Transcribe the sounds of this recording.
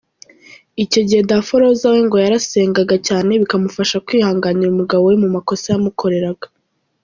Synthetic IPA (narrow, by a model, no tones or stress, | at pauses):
ico̞ɟihe̞dafoɾo̞zaweŋɡo̞jaɾase̞ːŋɡaɡacaːne̞βikamufaʃakwiːhaːŋɡaniɾumuɡaβo̞wemumako̞sajamukʰo̞ɾe̞ɾaɡa